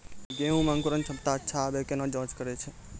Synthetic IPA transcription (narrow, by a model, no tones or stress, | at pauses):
ɡeɦũmãŋkəɾənt͡ʃʰəbt̪aətːʃʰaːbekenãd͡ʒɔ̃d͡ʒkəɾɛt͡ʃʰɛ